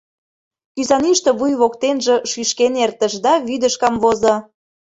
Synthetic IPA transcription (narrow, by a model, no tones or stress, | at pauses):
kyzɑniʃt̪ĕβujβokt̪enʒĕʃyʃkenert̪ə̆ʃd̪ɑβyd̪əʃkɑmβozo